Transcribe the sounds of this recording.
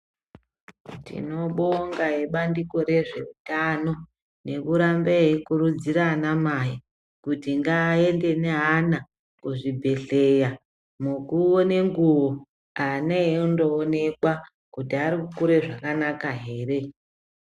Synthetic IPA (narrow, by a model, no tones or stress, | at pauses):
tḭno̞ɓoŋɡaeɓandiko̞ɾe̞ʐe̞utano̞ | ne̞kuɾambeɦekurud͡ziɾanamaji | kutiŋɡaːe̞nde̞neɦana | kuʐibʱe̞ɬe̞ja | mukuoneŋɡuwo | aneeundoːne̞kwa | kutiaɾikukuɾe̞ʐakanakaɦe̞ːre̞